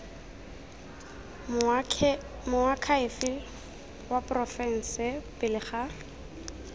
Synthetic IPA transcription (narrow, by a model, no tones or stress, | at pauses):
mʊakʰaɪfɪl | wapʼrɔfɛn̩sɪpɪlɪχa